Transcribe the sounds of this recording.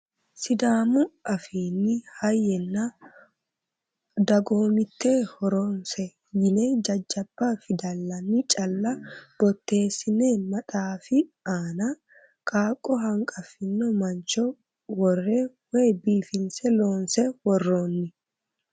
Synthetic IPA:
sɪd̪aːmʊɐfiːnːɪhɐjːɛnːa | d̪ɐɡoːmɪt̪ːeːhɔɾoːnsɛ | jɪned͡ʒɐd͡ʒːɐb̥ːafɪd̪ɐlːɐnːɪt͡ʃʼɐlːɐb̥ɔt̪ːe̞ːsːɪne̞ːnmɐt̪ʼaːfɪaːnɐ | kʼaːkʼːɔɦɐŋkʼɐfɪnːɔmɐnt͡ʃɔ | wɔrːeː | weːbiːfɪnsɛloːnsɛwɔrːoːnːɪ

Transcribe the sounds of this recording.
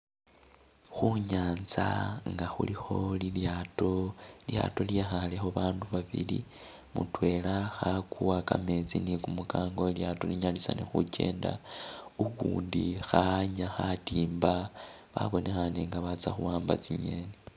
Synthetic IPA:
xuɲaːnzaŋɡaxṵlixo̞liljatolja̰to̞ljexale̞xo̞βaːnduβaβḭlḭ | mutwe̞laxakuwakame̞t͡sinikumukaːŋɡo̞ljatoliɲalisanexuce̞ːndaukuːndixaɲaxatiːmbaβaβo̞nʔe̞xane̞ŋɡaβat͡saxuwaːmba̰t͡siɲe̞ne

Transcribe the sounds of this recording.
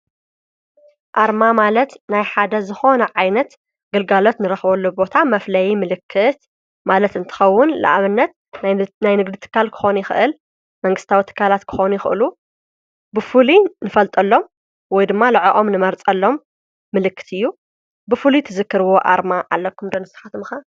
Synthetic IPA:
ʔaɾmamalɐt̪najħad̪ɐzɨxo̞nɐʕajnɐt̪ | ɡɐlɡalo̞t̪nɨɾɐxbɐlːobo̞t̪ʰamɐflɐjimɨlɨkʰːɨt̪ | malɐt̪ɨnt̪ʰɨ̥xɐwːʊnla̰ʔaβɨnːɐt̪ | najnɨɡd̪it̪ʰɨ̥kːalkʰɨ̥xo̞nujɪxɨ̰ʔɨl | mɐŋɡɨst̪ʰawit̪ʰɨ̥kʰːalat̪kʰɨ̥xonujɪxʔɨ̰lu | bɨfulinɨfɐlt̪ʼɐlːo̞m | wɔjd̪ɨmːalɐʕaʔo̞mnɨmɐɾt͡sʼɐlːo̞mː | ɨlɨkːɨ̥t̪ʰɨjːu | bɨfulit̪ʰɨzɨkːɨɾɨwo̞ʔa̰ɾmaʕa̰lːɐkʰːɨmd̪onɨst̪ʰɐ̥xat̪ɨmɨxa

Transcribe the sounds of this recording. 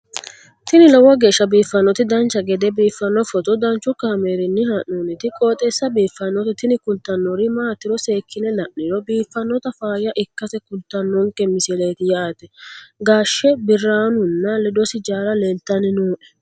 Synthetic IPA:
t̪ɪnɪlɔwɐɡe̞ːʃːɐbiːfːɐnːɔt̪ɪd̪ɐnt͡ʃːɐɡɛd̪ɛbiːfːɐnːɔfɔt̪ɔd̪ɐnt͡ʃːʊkaːmeːɾɪnːɪhɐnːunɪt̪ɪkʼoːt̪ʼɛsːɐbiːfːɐnːɔt̪ɪt̪ɪnɪkʊlt̪ːɐnːɔɾɪmaːt̪ːɪɾɔse̞ːkʰːɪnɛlɐʔːɪɾɔbiːfːɐnːɔt̪ɐfaːjɐʔɪkːɐsɛkʊlt̪ːɐnːɔŋkːɛmɪsɪle̞ːt̪ɪjɐaːt̪ɛɡaːʃːɛbɪrːaːnʊnːɐlɪd̪ɔsɪd͡ʒaːɾɐleːlt̪ːɐnɪnuːʔɛ̥

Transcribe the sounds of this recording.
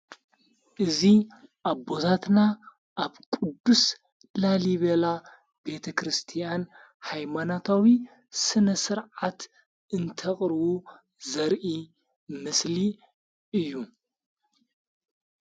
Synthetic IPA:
ʔɨziʔaβbo̞t̪ʰat̪na | ʔaβkʼud̪ːus | laliβela | be̞t̪ʰɐkɾɨst̪ʰijan | hajmanat̪ʰawi | sɨnɐsɨɾʕat̪ | ɨnt̪ʰɐχʼɾɨβu | zɐɾʔi | mɨsli | ʔɨjːu

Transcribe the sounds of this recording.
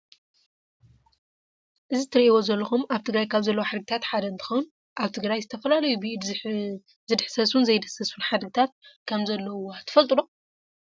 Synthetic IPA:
ʔɨzit̪ʰɨɾiʔiwo̞zɐlːɐxumʔaβt̪ʰɨɡɾajkʰaβzɐlːɐwoħad̪ɡɨt̪ʰat̪ħad̪ɐɨnt̪ʰɨ̥xown | ʔaβt̪ʰɨɡɾajzɨt̪ʰɐfɐlalɐjubid̪ | zɨd̪ħsɐsunzɐjd̪ɐsɐsunħad̪ɡɨt̪ʰat̪̚kʰɐmzɐlːɐwat̪ʰːɨ̥fɐlt̪ʼulo

